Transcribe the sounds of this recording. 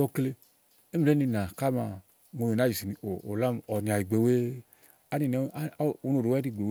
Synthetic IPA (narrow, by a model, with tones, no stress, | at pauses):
ɔ˧kle˧ | e˦mi˨le˦ni˧˨na˨ka˦ma˧˨ | ŋo˧ji˨na˨˦i˨si˨ni˨o˨o˨la˦m˨ɔ˨ni˨a˨i˨ɡ͡be˨we˦ | a˦ni˨˧nɛ˦˨o˨˧no˨ɾo˨wɛ˦di˦˨ɡ͡be˨w